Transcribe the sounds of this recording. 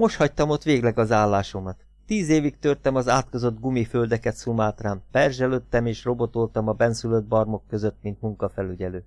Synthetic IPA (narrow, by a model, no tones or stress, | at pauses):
o̞ʃhɒct̪ɒmot̪ʋeːɡlɛɡɒzaːlːaːʃo̞mɒt̪ːiːzeːvikt̪ørt̪ɛmɒzaːt̪kozo̞d̪ɡumiføld̪ɛkɛt̪sumaːt̪raːmpɛrʒɛløːt̪ːɛmeːʃro̞bo̞t̪olt̪ɒmɒbɛnsylød̪̚bɒrmo̞kːø̞zø̞t̪mint̪muŋkɒfɛlyɟɛløː